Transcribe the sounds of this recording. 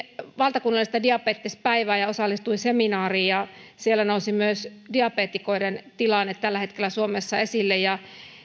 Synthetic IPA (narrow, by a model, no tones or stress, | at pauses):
ʋɑlt̪ɑkunːɑlːˑist̪ɑdiɑpeːt̪ːispæiʋæːjɑosɑlːist̪uiseminɑːriːjɑsielːˑænousimyøsdiɑpeːt̪ːikoident̪ilɑnːet̪t̪ælːæhet̪kelːˑæsuomesːɑesilːejjɑ